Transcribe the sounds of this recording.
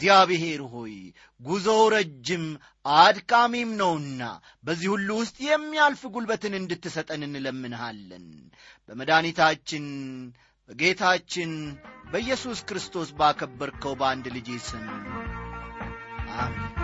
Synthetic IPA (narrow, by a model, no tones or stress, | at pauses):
zijaβɪɦe̞ɾɦo̞j | ɡuzəwɾəd͡ʒːɪm | ʔad̪kʼamemnəwɨnːa̰ | bəzːihulːuwʊst̪ʼjɛmːijalfɨɡulbət̪ɨnɨnd̪ɨt̪ːɨsət̪ʼənɨnləmːɨnɦalːə̰nbəməd̪anit̪ʰat͡ʃːɪn | bəɡe̞t̪ʰat͡ʃːɪnbəjːɛsuskɨɾɨst̪ʰo̞sbakʰəbːəɾkʰəwband̪lɨd͡ʒesɨm | ʔamin